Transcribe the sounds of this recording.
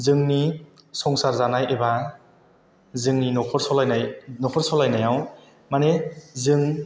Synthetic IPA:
zɯŋni | sɔŋsaɾzanajeba | zɯŋninɔkʰɔɾsɔlajnajnɔkʰɔɾsɔlajnajaw | manezɯŋ

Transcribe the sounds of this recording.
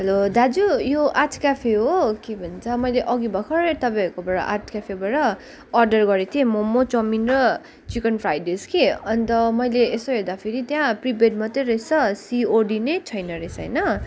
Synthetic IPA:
ɦʌlod̪ad͡zujoʔatʰkapʰeɦokebʱʌnt͡sʰʌmʌjleʔʌɡibʱʌkʰʌɾet̪ʌbaʌkobaɾʌ̰ʔa̰tʰkapʰebaɾʌː | rɖʌrɡʌɾet̪ʰiẽmomot͡sʌminrʌ | t͡sikʌnpʰɾajdeskeʌnt̪ʌmʌjleesoɦeɾd̪apʰeɾit̪jãpribeɖmʌt̪ʌɾesʌsioɖinet͡sʰʌjnʌɾesʌjnʌ

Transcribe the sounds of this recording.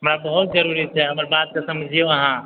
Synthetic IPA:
ɐmɾabəɦut̪̚d͡ʒəɾuɾit͡ʃʰɛɦɐməɾbaːt̪̚kasɐməd͡ʒʱijoɐɦã

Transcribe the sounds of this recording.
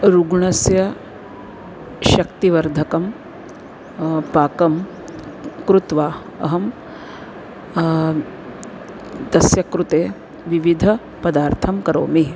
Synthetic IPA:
ɾuɡɳɐsjɐ | ʃɐkt̪iʋɐɾd̪ʱɐkɐm | paːkɐm | kɾut̪ʋaː | ɐ̰ɦɐm | t̪ɐsjɐkɾut̪eː | ʋiʋid̪ʱɐ | pɐd̪aːɾt̪ʰɐmkɐɾoːmi

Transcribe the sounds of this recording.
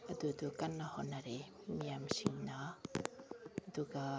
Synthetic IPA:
ad̪ud̪ukanːahɔnaɾe | miamsiŋna | ad̪uɡa

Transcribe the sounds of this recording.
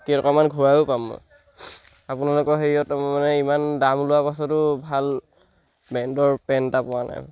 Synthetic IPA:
tiatɔ̰kɔmanɡʱuɹajʊpamɔ̰ | apʊnalʊkɔɦeɹiɔtmanɛimandamlʊwapasɔtʊbʱal | bɛndɔɹpɛntapʊana̰j

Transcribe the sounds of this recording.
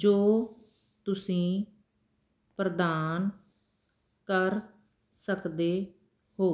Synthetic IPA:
d͡ʒoː | t̪ʊsĩː | pɾəd̪aːn | kəɾ | səkd̪eː | hoː

